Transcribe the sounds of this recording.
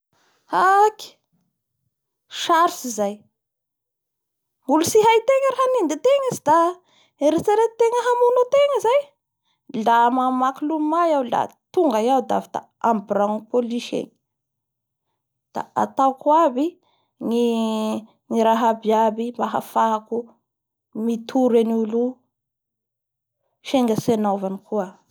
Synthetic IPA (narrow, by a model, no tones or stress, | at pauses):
aki̥ | ʃaɾsizaj | mulusiɦajt̪eŋəɾaɦanind̪it̪eŋizid̪a | eɾet͡saɾet̪eŋəɦamunot̪eŋəzaj | lamamakilumajawla̰t̪uŋɡajawd̪a̰vid̪a̰ | ambraŋupoliʃḛŋi̥ | d̪̥a̰at̪awkwabi | ŋi | ŋiɾaɦabiabimbaɦa̰faku | mit̪ʰuɾanulu | ʃeŋɡəsenovanikʰuə